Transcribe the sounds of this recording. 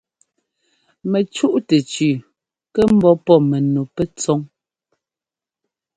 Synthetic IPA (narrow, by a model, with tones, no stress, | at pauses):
mɛ˨t͡ʃu˦ʔtɛ˨t͡ʃʉː˨ | kɛ˦m̩˦bɔ˦pɔ˦˨me˨nu˨pɛ˦t͡sɔ˦ŋ